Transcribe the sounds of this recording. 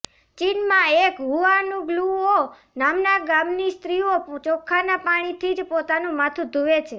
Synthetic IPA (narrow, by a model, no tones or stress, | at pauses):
t͡ʃinmãekɦuanũɡluo | namnaɡamnist̪ɾiot͡ʃɔkʰːanapaɽ̃it̪ʰid͡ʒpot̪anũmat̪ʰũd̪ʱuʋet͡ʃʰe